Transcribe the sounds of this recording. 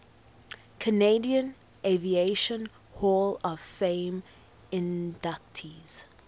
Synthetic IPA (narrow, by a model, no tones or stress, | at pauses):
kʰəneɪdiə̃n | ʔeɪvieɪʃə̃n | hɔlɔv̥fẽɪm | ɪ̃ndak̚tʰiz̥